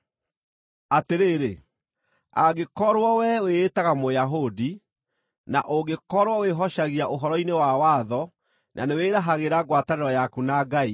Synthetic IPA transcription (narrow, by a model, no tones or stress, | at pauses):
ateɾeːɾe | a̰ɡekɔɾwɔwɛweːtaɣamojaɦodi | na̰ʔoɡekɔɾwɔweɦɔʃaɣiaʔoɦɔɾɔinewawaðɔ | nʔa̰neweːɾaɦaɣeɾaɡwataneɾɔjakunaɡai